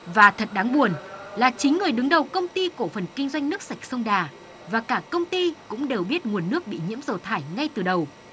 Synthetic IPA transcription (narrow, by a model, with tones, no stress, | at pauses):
vaː˨˩t̪ʰə˨˩t̚ɗaː˨˦ŋɓu˨˩ənlaː˨˩t͡ɕï˨˦ŋ̟ŋɨ˨˩əjɗɨ˨˦ŋɗə˨˩wkə˧wŋ͡mt̪i˧ko˧˩fə˨˩nkï˧ŋ̟zwa˧jŋ̟nɨ˦˥ək̚sa˨˩jk̟̚sə˧wŋ͡mɗaː˨˩ | vaː˨˩kaː˧˩kə˧wŋ͡mt̪i˧kʊ̰˧˥ŋ͡mɗe˨˩wɓi˦˥ət̚ŋu˨˩ənːɨ˦˥ək̚ɓḭ˧˨ɲḭ˧˥mzə˨˩t̪ʰaː˧˩jŋa˧jt̪ɨ˨˩ɗə˨˩w